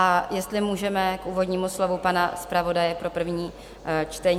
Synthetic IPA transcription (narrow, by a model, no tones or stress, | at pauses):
ʔajɛst̪lɪmuːʒɛmɛkʔuːvo̞dɲiːmuslo̞vupanaspɾavo̞dajɛpɾo̞pr̩vɲiː | t͡ʃt̪ɛɲ